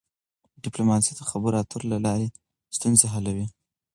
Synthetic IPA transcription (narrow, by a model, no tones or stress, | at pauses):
ɖɪplomɑsid̪əxabəɾɑt̪əɾlalɑɾe | st̪unzeɦalawi